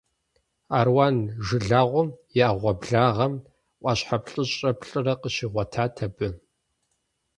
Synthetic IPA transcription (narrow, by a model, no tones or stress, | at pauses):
aːrwaːnʒɨɮaːʁʷʊmjɛaʁʷɔbɮaːʁɐm | ʔʷʼɑɕħapɬʼɨɕʼɐpʰɬʼɨrɐqəɕiʁʷɐtʰaːtʰɐbɨ